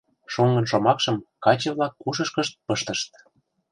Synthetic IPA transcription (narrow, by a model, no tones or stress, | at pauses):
ʃoŋɡɤ̆nʃomɑkʃɤ̆mkɑt͡ɕə̆vlɑkːuʃɤʃkəʃt̪̚pɤʃt̪ə̆ʃt̪̚